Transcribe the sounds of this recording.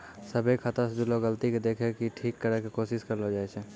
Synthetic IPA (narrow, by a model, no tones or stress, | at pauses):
səbʱekʰat̪əsd͡ʒuloɡəlt̪iked̪eːkʰekiʈʰiːkːəɾəkekoːʃɪʃkɐɾlod͡ʒaːet͡ʃʰɛ